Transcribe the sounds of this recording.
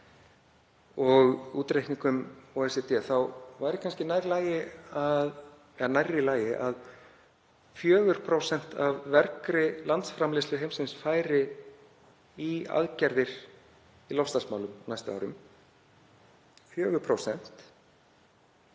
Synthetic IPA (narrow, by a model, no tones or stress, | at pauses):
ɔɣuːt̪ɾejhkniŋkʏmoːɛsɛt̪ɪɛθawvaːjɾɪkʰanscɪnaːjɾlaːjɪað | ɛnajɾːɪlaːjɪʔað | fjœːɣʏɾ̥pʰɾowsɛn̥t̪avːɛɾkɾɪlant̪sfɾamleslʏɦejmsɪnsfaːjɾɪ | ia̰ðcaɾðɪɾ̥ | ilɔfst̪aɾsmawlʏmnajst̪ʏa̰wɾʏm | fjœːɣʏɾpʰɾowsɛn̥t̪